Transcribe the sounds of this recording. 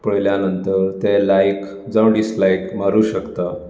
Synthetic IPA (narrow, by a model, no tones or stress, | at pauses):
pəɭljanənt̪əɾt̪elajk | d͡zəwɖislajkmaɾuːɕəkt̪a